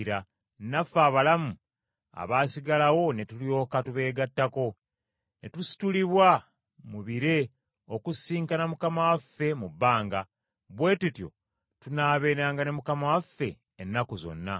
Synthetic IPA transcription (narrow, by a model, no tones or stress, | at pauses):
ɾa | nafːaːβalamu | a̰βaːsiɡalawo̞ne̞tulio̞ːkatuβe̞ːɡatːako̞ | ne̞tusi̥tuliβwa | muβiɾe̞ | okusiːŋkanamukamawafːe̞mubːaːŋɡa | βwe̞ːtutjo̞̰ | tunaːβe̞ːnaːŋɡanemukamawafːe̞ː | nːakuzo̞̰nːa